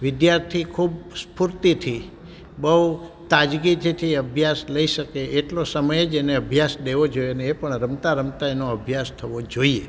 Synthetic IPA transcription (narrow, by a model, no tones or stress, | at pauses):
ʋɪd̪jaɾt̪ʰikʰubspuɾt̪it̪ʰi | bəɦut̪ad͡ʒɡit̪ʰit̪ʰiəbʱjasləiʃəkeeʈlosəməjed͡ʒeneəbʱjasd̪eʋod͡ʒoieəneːpəɳɾəmt̪aɾəmt̪aenoəbʱjast̪ʰəʋod͡ʒoie